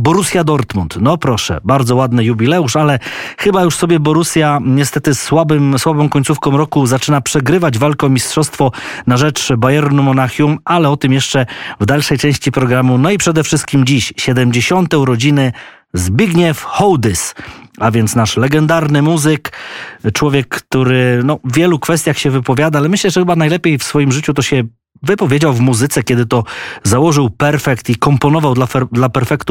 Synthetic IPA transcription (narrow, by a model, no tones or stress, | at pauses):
bɔɾusʲjad̪ɔɾt̪munt̪nɔpɾɔʂɛ̰baɾd̪zɔwad̪nɘjubʲilɛuʂalɛxɘbajuʂsɔbʲjɛbɔɾusʲjaɲɛst̪ɛt̪ɘswabɘmswabɔ̃w̃kɔɲt̪sufkɔ̃w̃ɾɔkuzat͡ʂɘnapʂɛɡɾɘvad͡ʑvalkɔmʲistʂɔst̪fɔnaʐɛt͡ʂbajɛɾnumɔnaxʲjumalɛɔt̪ɘmjɛʂt͡ʂɛvd̪alʂɛjt͡ʂɛ̃w̃ɕt͡ɕipɾɔɡɾamunɔipʂɛd̪ɛfʂɘst̪̚kʲimd͡ʑiɕɕɛd̪ɛmd͡ʑeɕɔnt̪ɛwɾɔd͡ʑinɘ | zbʲiɡɲɛfxɔwd̪ɘsavʲjɛnt̪snaʂlɛɡɛnd̪aɾnɘmuzɘkt͡ʂwɔvʲjɛkːt̪uɾɘnɔvːʲjɛlukfɛst̪ʲjaxɕɛvɘpɔvʲjad̪aalɛmɘɕlɛʐɛxɘbanajlɛpʲjejfsfɔjimʐɘt͡ɕut̪ɔɕɛ | vɘpɔvʲjed͡ʑawvmuzɘt̪sɛkʲɛd̪ɘt̪ɔzawɔʐɘwpɛɾfɛkt̪ikɔmpɔnɔvawd̪laɛd̪lapɛɾfɛkt̪u